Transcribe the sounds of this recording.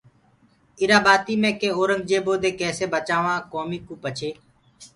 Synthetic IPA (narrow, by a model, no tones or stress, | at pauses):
ɪɾaːbaːt̪iːmẽːkẽːoːɾəŋɡ̚d͡ʒeːboːd̪eːkɛːseːbət͡ʃaːʋãːkoːmiːkuːpət͡ʃʰeː